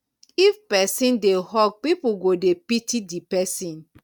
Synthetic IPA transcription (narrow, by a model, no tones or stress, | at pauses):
ifpɛsĩndeɦɔk̚pipuɡodepitidipɛsĩn